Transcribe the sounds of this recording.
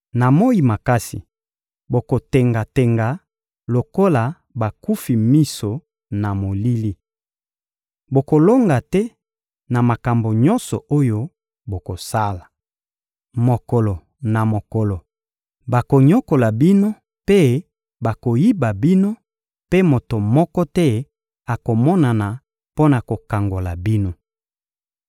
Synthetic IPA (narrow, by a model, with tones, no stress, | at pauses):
na˨mo˦ji˨ma˨ka˦sḭ˨ | bo˨ko˨te˨ŋɡa˨te˨ŋɡa˨ | lo˨ko˦la˨ | ba˨ku˦fi˨mi˦so˨ | na˨mo˨li˦li˦ | bo˨ko˨lo˦ŋɡa˨tɛ˦ | na˨ma˨ka˨mbo˨ɲɔ̃˦nsɔ̰˨ʔo˦jo˦ | bo˨ko˨sa˦la˨ | mo˨kɔ˨lɔ˨ | na˨mo˨kɔ˨lɔ˨ | ba˨ko˨ɲɔ˦ko˨la˨bi˦no˦ | pe˦ | ba˨ko˨ji˦ba˨bi˦no˦ | pe˦mo˨to˨mɔ˦kɔ˦tɛ˦ | a˨ko˨mɔ˦na˨na˨ | po˦na˨ko˨ka˨ŋɡo˨la̰˨bi˦no˦